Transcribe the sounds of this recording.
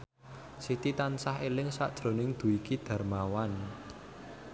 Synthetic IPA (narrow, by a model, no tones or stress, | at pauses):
sit̪it̪ansaɦelɪŋsa̰ʔd̥ʒ̥ɾo̤nɪŋd̪̥ṳikid̪̥ä̤rmawan